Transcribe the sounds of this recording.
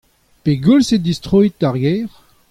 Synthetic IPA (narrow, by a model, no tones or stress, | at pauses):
peɡulsed̪ist̪ʁoit̪̚aʁɡɛːʁ